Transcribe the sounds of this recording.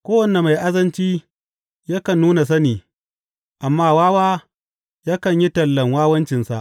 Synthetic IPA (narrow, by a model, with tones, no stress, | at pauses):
kʷoː˦wɐ˨ne˨ma˨jʔa˦zɐ˦nt͡ʃiː˦ | ja˦kɐ˨nːuː˦na˨s̬ɐ˦niː˨ | ʔa˨mːaː˦waː˦waː˦ | jaː˦kɐ˨ɲji˦tɐ˨lːɐ˨ŋwaː˦wɐ˦nt͡ʃɪ˨nsa̰˨ʔ